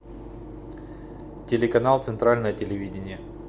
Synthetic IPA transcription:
tʲɪlʲɪkɐnalˠt̪sɨnt̪ɾalʲnəjətʲɪlʲɪvʲidʲɪnʲɪjə

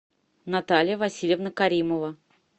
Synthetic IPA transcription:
nɐt̪alʲɪjəvɐsʲilʲjəvnəkɐɾʲiməvə

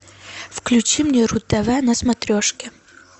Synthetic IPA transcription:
fklʲʊt͡ɕimnʲeɾʊt̪ːɐvanɐsmɐt̪ɾʲoʂkʲɪ

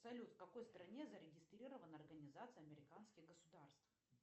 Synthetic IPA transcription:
psɐlʲut̪fkɐko̞jst̪ɾɐnʲezəɾʲɪɡʲɪst̪ɾʲiɾəvənəɐrɡənʲɪzat̪sɨjɐmʲɪɾʲɪkanskʲɪɣɡəsʊd̪arst̪f

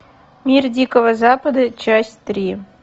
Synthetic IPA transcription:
mʲirdʲikovəzapəd̪ət͡ɕasʲt̪ɾʲi

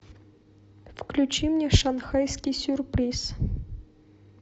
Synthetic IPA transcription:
fklʲʉt͡ɕimnʲɛʂanxajskʲijsʲʊrpɾʲis

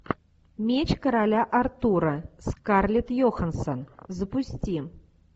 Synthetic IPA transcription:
mʲet͡ɕkɐɾalʲaʔart̪uɾɐskarlʲit̪jɔxɐnsɐnzəpusʲt͡sʲi

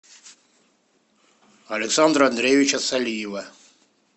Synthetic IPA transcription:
alʲɛksand̪ɾaand̪ɾevʲit͡ʃasalʲiːwa

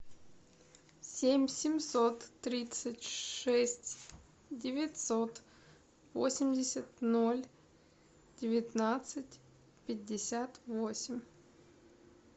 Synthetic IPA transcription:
sʲemʲsʲɪmʲsot̪ːɾʲit̪sɨtʲʂɛsʲtʲ | dʲɪvʲɪtʲsot̪ | vosʲɪmʲdʲɪsʲət̪nolʲ | d̥ʲɪvʲɪt̪nat̪sɨtʲ | pʲɪdʲːɪsʲat̪vosʲɪmʲ

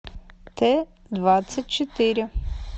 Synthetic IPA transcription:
t̪ɛ | d̪vat̪sʲɐt̚ʲt͡ʃɛt̪ɪɾʲɪ

